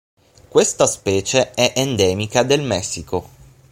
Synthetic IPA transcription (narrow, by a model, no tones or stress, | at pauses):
kwest̪aspɛːt͡ʃeɛʔend̪ɛːmikad̪elmɛsːiko